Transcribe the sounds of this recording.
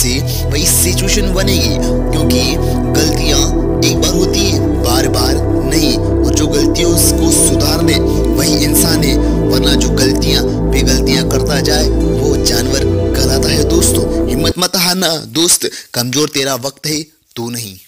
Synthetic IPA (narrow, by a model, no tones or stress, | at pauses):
se | ʋɐɦisɪt͡ʃuweːʃənbɐnẽːɡeː | kjõːki | ɡɐlt̪ijã | eːk̚baːɾɦoːt̪iɦɛ̃ | baːɾbaːɾ | nɐɦĩ | ɔːɾd͡ʒoːɡɐlt̪ijõ | kosʊd̪ʱaːɾlɛ̃ː | ʋɐɦiʔɪnsaːnɦẽ | ʋɐɾnãd͡ʒoːɡɐlt̪ijã | beːɡɐlt̪ijãkɐɾt̪ad͡ʒaːeʋoːd͡ʒaːnʋəɾɡɐlat̪aɦɛd̪oːst̪oːɦɪmːət̪mɐt̪aɦanad̪oːst̪kɐmzoːɾt̪eːɾaʋɐk̚t̪ɦe | t̪unɐɦĩː